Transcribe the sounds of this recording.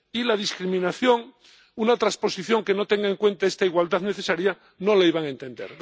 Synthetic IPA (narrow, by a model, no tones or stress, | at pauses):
ilað̞iskɾimĩnaθjo̞ŋ | unat̪ɾaspo̞siθjo̞ŋkenot̪eŋɡaeŋkwe̞nt̪aest̪aiɣwald̪aðneθesaɾja | no̞laiβaŋe̞nt̪ẽ̞nd̪eɾ